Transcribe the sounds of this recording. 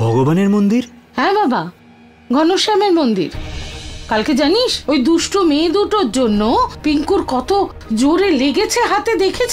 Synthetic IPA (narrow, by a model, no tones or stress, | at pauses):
bʱɔɡobaneɾmond̪iɾ | hɛ̃baba | ɡʱɔnoʃameɾmond̪ḭɾ | kalked͡ʑaniʃojd̪uʃʈomeːd̪uʈoɾd͡ʑonːopiŋkuɾkɔt̪o | d͡ʑoɾeleɡet͡ɕʰeɦat̪ed̪ekʰet͡ɕʰ